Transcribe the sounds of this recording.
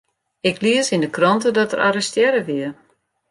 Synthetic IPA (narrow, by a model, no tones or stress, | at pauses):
ɪkliəsindəkrɔntədɔtərʔa̰rəstjɛɾəʋiər